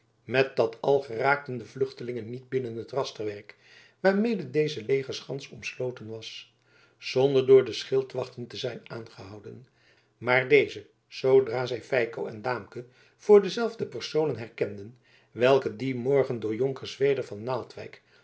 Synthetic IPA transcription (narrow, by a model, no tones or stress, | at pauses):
mɛt̚dɑtʰɑlˠχəraːk̚təndəvlʏχtəlɪŋənːid̚bɪnənɦətrɑstərʋɛɹk | ʋaːɹmejdədejzəlejχəɹsχɑnsɔmslowtənʋɑs | z̥ɔndəɹdʊːɹdəsχɪlˠtʋɑχtəntəzɛjnaːnχəɦɑwdən | maːɹdejzə | z̥owdraːzɛjfɛjkowɛ̰ndaːmkə | v̥ʊːɹdəzɛlˠvdəpəɹsownənɦɛɹkɛndən | ʋɛlˠkədimɔɹχəndʊːɹjoŋkəɹsʋejdəɹvɑnːaːlˠtʋɛ̰jk